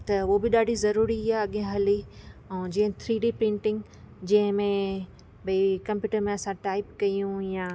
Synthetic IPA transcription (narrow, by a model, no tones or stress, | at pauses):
t̪ɐobɪɗaːɖʱizɐɾuːɾiɦiaɐɠẽɦɐliɛ̃ːd͡ʑĩːɦɪ̃t̪ʰɾiːɖepɾɪ̃ɳʈɪ̃ŋɡ | d͡ʑɐ̃ɦɪ̃mẽ | bʱikɐ̃mpjuːʈəɾmẽɐsãʈaːɪpkɐijũjaː